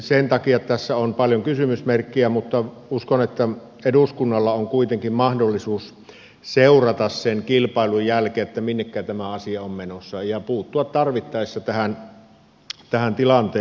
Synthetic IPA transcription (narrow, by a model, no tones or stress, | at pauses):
sent̪ɑkiɑt̪æsːæonpɑljoŋkysymysmerkːiæmut̪ːɑ | uskonet̪ːæ | eduskunːɑlːɑoŋkuit̪eŋkimmɑhdolːisuːs | seˑurɑt̪ɑssenkilpɑˑelujjælkeːet̪ːæminːekːæːt̪æmæɑsiɑommenosːɑejɑpuːt̪ːuɑt̪t̪ɑrʋit̪ːɑˑesːɑt̪æhæn | t̪æhænt̪ilɑnt̪eː